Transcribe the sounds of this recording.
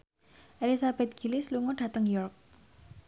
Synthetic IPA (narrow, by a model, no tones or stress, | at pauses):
ʔelisab̥ɛt̪̚ɡ̥i̤lɪsluŋɔɖ̥a̤t̪əŋjɔrk̚